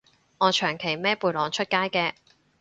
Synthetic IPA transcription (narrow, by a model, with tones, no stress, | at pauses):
ŋɔː˨˧t͡ʃʰœː˨˩ŋkʰe˨˩jmɛː˥puː˨˧˩lɔː˨˧ŋt͡ʃʰɵ˥t̚kaː˥jkɛː˧